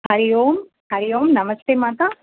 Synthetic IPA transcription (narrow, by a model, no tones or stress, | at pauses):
hɐɾijoːm | hɐɾijoːmnɐmɐst̪eːmaːt̪a